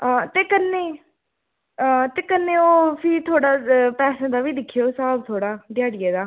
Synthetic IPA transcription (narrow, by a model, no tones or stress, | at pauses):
aːt̪eːkənːeː | t̪eːkənːeːoːpʰɪt̪ʰoːɽaːpɛːsãːd̪aːʋiːd̪ɪkʰːijoːsaːb̚t̪ʰoːɽaːd̪jaːɽɪjeːd̪aː